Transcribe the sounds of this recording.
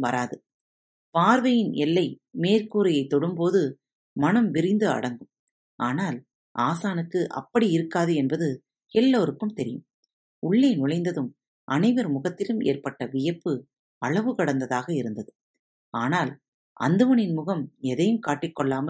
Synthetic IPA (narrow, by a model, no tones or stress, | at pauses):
ʋɐɾaːðɯ | paːɾʋɐjɪnʔɛlːɐɪmeːrkuːɾɐjɐɪt̪ːɔɽɯmpoːðɯ | mɐnɐmʋɪɾɪnd̪ɯɐ̰ɽɐŋɡɯm | ʔaːnaːl | ʔaːsaːnɯkːɯʔɐ̰pːɐɽiɪɾɯkːaːðɯɛnbɐðɯ | ɛlːoːɾɯkːɯmt̪ɛɾɪjɯ̰m | ʊɭːeːnʊɭɐɪnd̪ɐðɯm | ʔɐnɐɪʋɐɾmʊɣɐt̪ːɪlɯmḛːrpɐʈːɐʋɪjɐpːɯ | ɐɭɐʋɯkɐɽɐnd̪ɐðaːɣɐɪɾɯnd̪ɐðɯ | aːnaːl | ʔɐ̰nd̪ɯmɐɳɪnmʊɣɐmɛðɐjɯmkaːʈːɪkːɔɭːaːmɐ